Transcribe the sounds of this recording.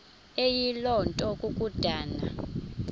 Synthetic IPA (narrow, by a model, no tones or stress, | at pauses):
ejilɔntʼɔkʼuk̬ʼud̥ʱaːna̰